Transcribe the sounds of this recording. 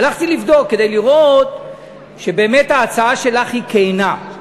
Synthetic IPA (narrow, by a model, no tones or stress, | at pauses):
alaχt̪ilivd̪o̞kːe̞d̪e̞jliʁot̪ | ʃe̞beːme̞thaːt͡saaʃe̞laχhikejna